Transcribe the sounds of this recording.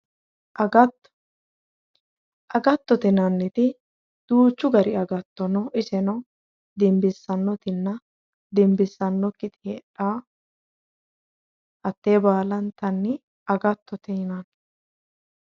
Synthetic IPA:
ʔɐɡɐt | ʔɐɡɐt̪ːɔt̪ɛnɐnːɛt̪ɪ | d̪̥uːt͡ʃːʊɡɐɾɪɐɡɐt̪ːɔnɔʔɪsɛnɔ | d̪ɛmbɪsːɐnːɔt̪ɪnːɐ | d̪ɛmbɪsːɐnːɔkːɪt̪ʼɪɛᶑaː | ʔɐt̪ːeːbaːlɐnt̪ɐnːɪ | ɐɡɐt̪ʰːɔt̪ɛnɐn

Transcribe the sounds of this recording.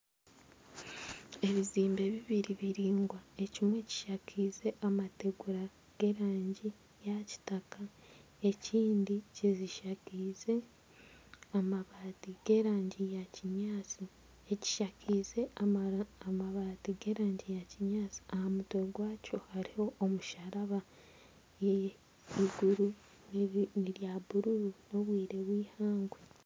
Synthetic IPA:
e̞βiziːmbe̞βiβiɾiβiɾiːŋɡwae̞cimwe̞ci̥ʃacʰiːze̞ʔamate̞ɡuɾa | ɡ̥e̞ːɾaːɲɟi | jaci̥taka | e̞ciːndiciziʃakize̞ | amaβaːtiɡ̥e̞ːɾaːɲɟijaciɲaːt͡si | eci̥ʃakize̞aamaβaːtiɡe̞ːɾaːɲɟijaciɲaːt͡si̥ahamutweɡwaːco̞haɾiho̞ʔːmuʃaɾaβa | je | iɡuɾu | nniɾjaβuɾuɾuno̞βwiːɾe̞βwiːhaːŋɡwe

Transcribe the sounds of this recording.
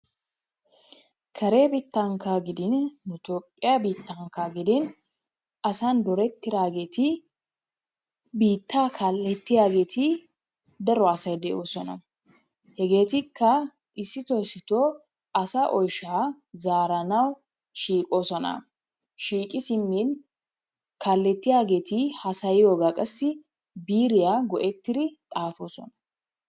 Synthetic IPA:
kʰɐɾebit̪ːɐŋkaɡɪd̪ɪnːʊt̪opʼːɪjabiːt̪ːɐŋkaɡɪd̪ɪn | ɐsɐnd̪ɔɾɛt̪ːɪɾaːɡe̞ːt̪ɪ | biːt̪ːaːkʰaːlːɛt̪ːɪjaːɡe̞ːt̪ʰɪ | d̪ɐɾɔɐsɐjd̪ɛʔo̞ːsɔnɐ̰ | hɛɡe̞ːt̪ɪkʰːɐ | ʔɪsːɪt̪ɔjsːɪt̪o | ʔɐsaʔɔjʃaː | zaːɾɐnɐw | ʃiːkʼo̞ːsɔnɐ̰ | ʃiːkʼɪsɪmːin | kʰaːlːɛt̪ːɪjaːɡe̞ːt̪ʰɪhɐsɐjɪjo̞ːɡaːkʼɐsːɪ | biːɾɪjaːɡɔʔɛt̪ːɪd̪ɪt̪ʼaːfo̞ːsɔ̰nɐ

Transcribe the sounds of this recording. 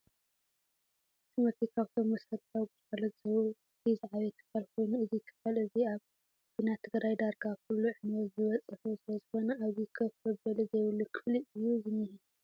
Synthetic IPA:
t̪ʰɨmɐɾt̪ʰikʰaβt̪ʰo̞mːɐsɐɾt̪ʰawɡɨt̪falɐt̪zɐβuɨt̪ʰizaʕaβɛjt̪ʰɨ̥kːalkʰo̞jnuɨzit̪ʰɨ̥kːalɨziaβ | kʰɨnat̪ʰːɨɡɾajd̪aɾɡakʰulːuʕɨnwɐt̪zɨβɐt͡sʼɨfusɨlɐzɨxo̞nɐaβzikʰɐfɐbɐlɨzɐjwɨlːukʰɨfliʔɨjːuzɨnːɨhi

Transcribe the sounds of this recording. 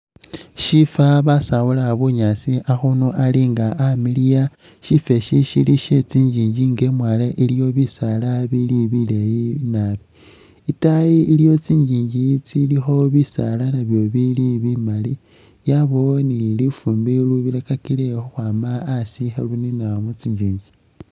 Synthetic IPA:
ʃifaβasawulaβuɲasiʔaxunuʔaliŋɡaʔamilija | ʃife̞ʃiʃiliʃet͡siːɲd͡ʒiːɲɟiŋɡemwaleʔilijo̞βisalaβiliβilejinaβi | itajiiljo̞t͡siːɲd͡ʒiːɲɟit͡silixo̞βisa̰lanaβjo̞βiliβimali | jaβonilifuːmbiluβilekakilexoxwaːmaːsixeluninamut͡siɲɟiːɲɟi̥

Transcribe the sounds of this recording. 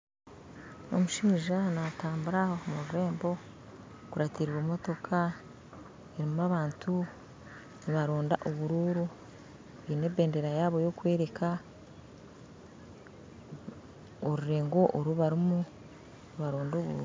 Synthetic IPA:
no̞̰muʃiːʒanataːmbuɾaho̞muɾuɾe̞ːmbo̞ | kuɾatiɾβwomo̞to̞kʰa | eɾimaβaːntʰu | niβaɾoːnda̰ʔoβuɾuːɾu | βine̞be̞ːndeɾajaːβo̞jo̞kwe̞ːɾe̞ka | oɾuɾe̞ːŋɡo̞ʔoɾuβaɾimu | niβaɾoːndo̞ːβuɾṵː

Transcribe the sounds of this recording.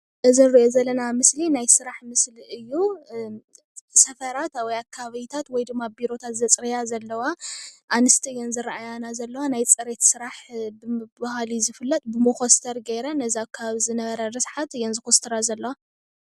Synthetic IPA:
ʔɨzinɨɾiʔozɐlːɐnamɨslinajsɨɾaħmɨsliʔɨjːu | sɐfɐɾat̪wɔjakʰːaaβɐjt̪ʰat̪wɔjd̪ɨmːabiɾo̞t̪ʰat̪zɐt͡sʼɾijazɐlːɐwaʔanɨst̪ʰiɨjːɛnzɨɾaʔajanazɐlːɐwanajt͡sʼɨɾet̪sɨɾaħbɨbahalizɨfɨlːɐt̪ʼbɨmokost̪ʰɐɾɡɐjɾɐnɐziakʰːaβaβizɨnɐβɐɾɐɾɨsħat̪ɨjɛnzɨkost̪ʰɨɾazɐlːɐwa

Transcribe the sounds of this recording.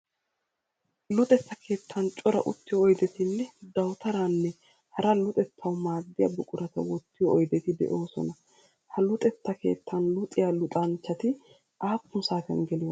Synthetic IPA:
lʊt̪ʼɛt͡sːɐkʰe̞ːt̪ʰːɐnt͡ʃʼɔɾɐ̰ʔʊ̰t̪ːɪjɔːjd̪ɛt̪ɪlːɛd̪ɐwt̪ɐɾaːnːɛ | hɐɾɐlʊt̪ʼɛt̪ʰːɐwmaːd̪ːɪjɐbʊkʼʊɾɐt̪ɐ̰wɔt̪ːɪjɔɔjd̪ɛt̪ɪd̪ɛ̰ʔo̞ːsɔ̰nɐ | hɐlʊt̪ʼɛt̪ːɐke̞̰ːt̪ʰːɐnlʊt̪ʼɪjaːlʊt̪ʼɐnt͡ʃːɐt̪ɪ | ʔaːpːʊnsaːt̪ɛnɡɛlɪjɔ

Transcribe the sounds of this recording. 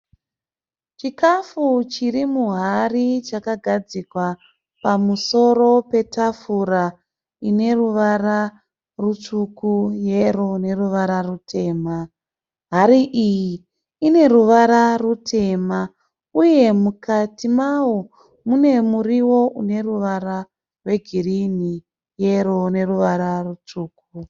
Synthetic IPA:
t͡ʃikafut͡ʃiɾimuɦarit͡ʃakaɡʱad͡zikwa | pamuso̞ɾo̞pe̞tʰafuɾa | ine̞ruʋaɾa | rut͡ʂukujerone̞ruʋaɾarutʰe̞ːma | ɦaɾiʔiji | ine̞ruʋaɾarutʰe̞ma | uje̞mukatimawo | mune̞muriwo̞ʔune̞ruʋaɾa | rwe̞ɡʱirini | je̞ɾone̞ruʋaɾarut͡ʂuːk̚u

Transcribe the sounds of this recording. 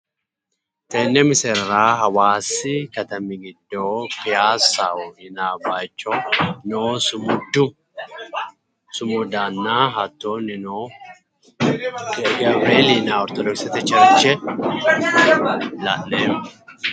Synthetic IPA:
t̪eːnːɛmɪsɛɾɾaːɦɐwaːsːɪkɐt̪ɐmiɡɪd̪ːoːkɪjaːsːaːɔhɪnaːbaːt͡ʃːɔnoːsʊmʊd̪ʊ | sʊmʊd̪aːnːaːɦɐt̪ːoːnːɪnoː | ɡeɡɐbeːliːnaːɔɾt̪ɔd̪ɔksɪt̪ɛt͡ʃɐɾt͡ʃːɛ | la̰ːʔːeːm

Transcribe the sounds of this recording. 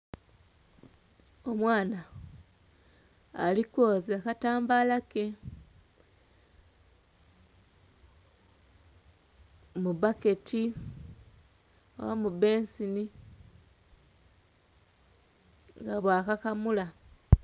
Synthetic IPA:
o̞mwaːna | likwoːzakataːmbalake | mubake̞tʰi | o̰wamube̞nsini | ŋɡaβwaːkakamula

